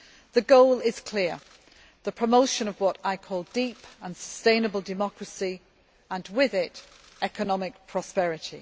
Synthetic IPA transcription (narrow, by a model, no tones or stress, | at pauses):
ðəɡoʊlɪz̥kʰl̥ɪə | ðəpʰɹ̥əmoʊʃə̃nəvwɒtaɪkʰɔːlˠdiˑpə̃nsə̥stẽɪ̃nəbəlˠdɪmɒkɹəsi | ə̃nwɪðɪt | ɛkənɒmɪk̚pʰɹ̥ɒspɛɹɪtʰḭ